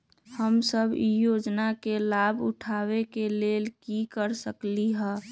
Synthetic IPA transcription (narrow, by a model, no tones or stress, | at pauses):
həmsəbijod͡ʒnakelabʊʈʰawekeleːlkikəɾsəkliɦɛ̃ː